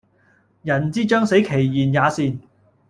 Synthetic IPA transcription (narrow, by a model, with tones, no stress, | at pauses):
jɐ˨˩nt͡siː˥t͡ʃœː˥ŋse˨˥jkʰe˨˩jjiː˨˩njaː˨˧siː˧n